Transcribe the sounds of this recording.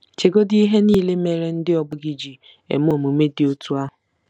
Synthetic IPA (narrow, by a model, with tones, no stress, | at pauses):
t͡ʃe˨ɡo˦di˦ɦe˦niː˦˨le˦me˨ɾe˦n̩˦dɪ˦ɔ˨ɡ͡bʊ˦ɡi˨d͡ʒi˨ | ḛ˨m˦o˨mu˨me˦dɪ˨o˦tu˦a˦ɦʊ˨